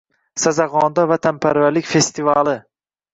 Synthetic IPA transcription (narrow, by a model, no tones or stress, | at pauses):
sazaʁɒnd̪avat̪ʰampʰaɾvalɪkʲfe̞st̪ʰivalɪ